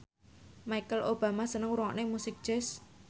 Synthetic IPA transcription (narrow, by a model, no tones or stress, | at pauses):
majkəlʔob̥a̤masənəŋuɾŋa̰ʔnemusɪk̚d̥ʒ̥ɛs